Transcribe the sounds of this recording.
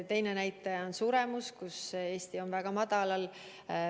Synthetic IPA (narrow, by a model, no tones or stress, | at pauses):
t̪e̞jnenæjt̪ːˑɑjɑonsuɾe̞muskuse̞ːst̪io̞nvæɡ̥ɑmɑd̪̥ɑlɑl